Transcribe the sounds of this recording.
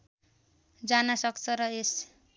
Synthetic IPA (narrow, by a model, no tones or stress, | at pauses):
d͡zanasʌkt͡sʰʌɾʌes